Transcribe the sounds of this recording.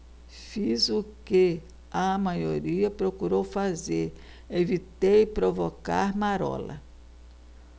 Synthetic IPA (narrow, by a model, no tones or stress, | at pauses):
fizʊke | ɐmajoɾiɐpɾokuɾowfazeɾ | evit̪ejpɾovoka̰ɾmaɾɔ̰lɐ̰